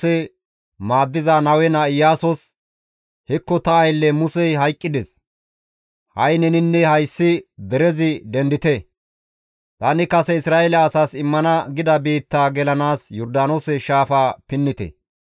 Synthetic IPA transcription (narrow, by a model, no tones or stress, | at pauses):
ɛ | maːd̪ːɪzanɐwɛnɐɪjaːsɔs | hɛkːɔt̪ɐɐjlːɛmʊsɛjɦɐjkʼːɪd̪ɛs | hɐjnɛnɪnːɛhɐjsːɪd̪ɛɾɛzɪd̪ɛnd̪ɪt̪ɛ | t̪ɐnɪkɐsɛɪsɾaːʔɛlɐːsaːsɪmːɐnɐɡɪd̪ɐbiːt̪ːaːɡɛlɐnaːsjɔɾd̪aːnoːsɛʃaːfaːpɪnːɪt̪ɛ̰